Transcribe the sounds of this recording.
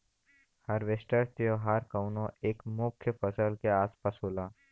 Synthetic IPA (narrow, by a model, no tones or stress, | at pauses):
həɾʋɪsʈəɾt̪ijoɦaɾkəʊnõeːkmʊkʰjəpəsəlkeaːspaːsɦoːlaː